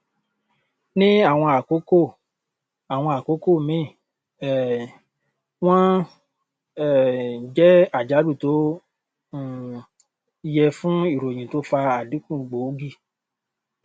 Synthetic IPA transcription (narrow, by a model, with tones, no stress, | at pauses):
nĩ˦a˦˨w̃ɔ̃˧a˨ko˨˦ko˦˨ | a˨w̃ɔ̃˧a˨ko˨˦ko˦˨mĩ˦˨˦ | w̃ã˦ | ɛ˦˨d͡ʒɛ˦a˦˨d͡ʒa˨˦du˦˨tõ˨˦˨ | jɛ˧fũ˦i˦˨ɾo˨j̃ĩ˨to˨˦fa˧a˨dĩ˨˦kũ˦˨ɡ͡bo˨˦ɡi˦˨